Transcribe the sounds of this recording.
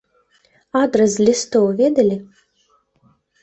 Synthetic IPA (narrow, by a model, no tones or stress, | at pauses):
ad̪ɾɐzlʲist̪ɔwvʲed̪ɐlʲɪ